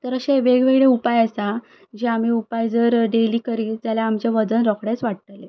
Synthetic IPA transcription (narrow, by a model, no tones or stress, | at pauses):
t̪əɾəɕẽʋeɡʋeɡɭeupajəsa | d͡ʑiam̤iːupajd͡zəɾɖeliːkəɾiːlt̪jaljaːmt͡ɕeʋəd͡zənɾɔkʰɽjat͡sʋaɽt̪le